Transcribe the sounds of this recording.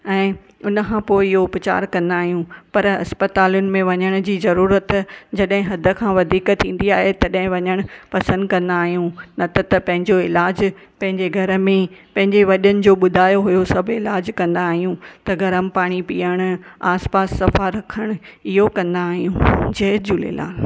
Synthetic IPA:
ɛ̃ː | ʊnəkʰãːpoːɪɪɦoʊpt͡ɕa̰ːɾkɐ̃nd̪aːɦijũpɐɾɐ̰spɐt̪aːlʊnɪ̆mẽʋɐɲəɽ̃ʊ̆d͡ʑiːzɐɾuːɾət̪d͡ʑɐɗɦɪ̃ɦɐd̪ʱə̆kʰãːʋɐd̪ʱiːkt̪ʰːĩːn̆d̪iaːɦet̪ɐɗɦɪ̃ʋɐɲəɽ̃ʊpɐsə̃nd̪kɐ̃nd̪aːɦijũnɐt̪ɐt̪ɐpɐ̃ɦɪ̃ɲd͡ʑoɪlaːd͡ʑ | pɐ̃ɦɪ̃ɲd͡ʑeɡʱɐɾə̆mẽpɐ̃ɦɪ̃ɲd͡ʑeʋɐɗənɪ̆d͡ʑoːɓʊd̪ʱaːjoɦujosɐbʱɪlaːd͡ʑkɐ̃nd̪aːɦijũt̪ɐɡʱɐɾəmɪ̆paːɽ̃ipḭːəɽ̃̆aːspaːsːɐfaɾɐkʰəɽ̃ʊɪɦokɐ̃nd̪aːɦijũd͡ʑɐɦd͡ʑulḛla̰ːl

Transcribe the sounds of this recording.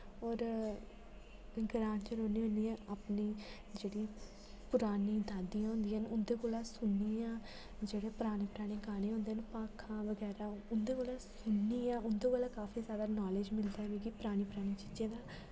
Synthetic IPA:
ɔːɾ | ɡɾaːnt͡ʃəɾoːniːɦõnd̪iːãːaːpniː | d͡ʒeːɽiː | pʊɾaːniːd̪aːd̪ijãːɦʊ̃nd̪ijənʊnd̪eːkoːlaːsʊnːiːãː | d͡ʒeːɽeːpʊɾaːnĩːpəɾaːñẽːkaːneːɦʊ̃nd̪eːənpaːkʰãːʋəɡɛːɾaːʊnd̪eːkoːlaːsʊnːiːãːʊnd̪oːkoːlãːkaːfiːsaːd̪aːnaːled͡ʒmɪld̪aːɡiːkɪpɾaːñiːpəɾaːɽ̃iːt͡ʃiːd͡ʒẽːd̪aː

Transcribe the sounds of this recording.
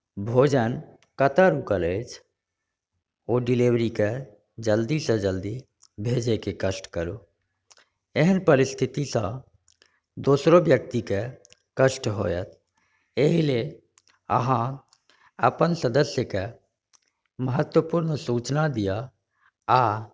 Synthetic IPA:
bʱoːd͡ʒən | kət̪aɾukəlet͡ʃʰ | oːɖɪliwɾike | d͡ʒəld̪isẽd͡ʒəld̪i | bʱed͡ʒekekəsʈkəɾu | eɦənpəɾɪst̪ʰit̪isə̃ | d̪oːsɾobjək̚t̪ike | kəʃʈɦojə̰t̪ʰ | eɦile | ə̰ɦã | əpənsəd̪əsjəke | məɦət̪wəpuɾnsuːt͡ʃnad̪ija | a

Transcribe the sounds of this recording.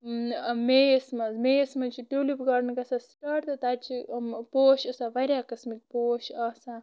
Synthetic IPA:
mejsmɐzmejsmɐt͡ʃʰiʈuːlipɡɐɾnkɐsasʈaʈt̪ɐt̪at͡ʃʰipoːʃɐsaʋɐɾʲjaːkɐsmik̚poːʃɐsa

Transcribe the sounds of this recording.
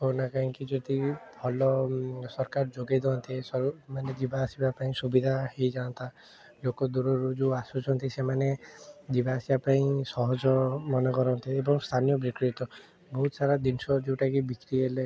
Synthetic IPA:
konakaĩŋkid͡ʒɔd̪ibʰʱɔlɔsɔɾkaɾd͡ʒoɡajd̪ɔɔnt̪ʰisɔmaned͡ʒibasibapaĩsubid̪ʱaɦejd͡ʒaɔnt̪a | lokɔd̪uɾɔɾud͡ʒuasut͡ʃʰɔnt̪isemaned͡ʒibasibapaĩsɔɦɔd͡ʒɔmɔnɔkɔɾɔnt̪ʰiebɔŋst̪ʰanijɔbɾikɾit̪ɔ | bɔɦut̪ɔsaɾad̪insɔd͡ʒewʈakibikɾiele

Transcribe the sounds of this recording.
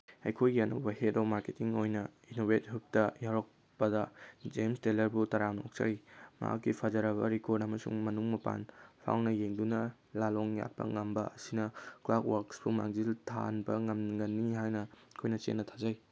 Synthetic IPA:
ɐjkʰojɡiɐnɐ̰wbɐhetomaɾketiŋojnɐinoβet̚ɦup̚tɐjaɾok̚ | pɐdɐd͡ʒemstelɐɾbutɐɾano̰k̚t͡ʃɐ̰ɾima̰a̰kːipʰazɐɾɐβɐ̰ɾikoɾdɐmɐsṵŋmɐnuŋmɐpa̰npʰa̰wnɐjeŋdunɐ | laloŋja̰t̚pɐ̰ŋɐmbɐɐsinɐklak̚waɾksbuma̰ŋziltʰa̰nbɐŋɐmɡɐnːiɦajnɐkʰojnɐt͡ʃḛnːɐtʰazɐj

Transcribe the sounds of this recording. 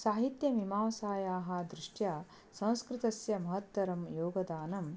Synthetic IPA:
saːɦit̪jɐmimaːʋɐsaːjaːɦɐ̆d̪ɾiʂʈjaː | sɐ̃w̃skɾit̪ɐsjɐmɐɦɐt̪ʋɐɾɐmjoːɡɐd̪aːnɐm

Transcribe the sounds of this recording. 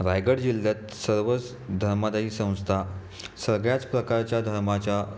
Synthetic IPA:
ɾajɡəɽd͡ʑilːjat̪səɾʋət͡s | d̪ʱəɾmad̪aiːsə̃w̃st̪ʰa | səɡɭjat͡spɾəkaɾt͡ɕjad̪ʱəɾmat͡ɕja

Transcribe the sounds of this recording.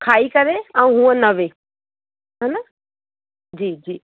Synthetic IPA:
kʰaːikɐɾeɛ̃ũɦũːə̃nɐʋeː | ɦanɐ | d͡ʑiːd͡ʑiː

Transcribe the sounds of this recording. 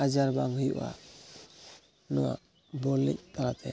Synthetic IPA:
ad͡ʒaɾbaŋhujuʔa̰ | nɔwa̰ | bɔlːɛ̰c̚t̪ʰaɾat̪ʰɛ

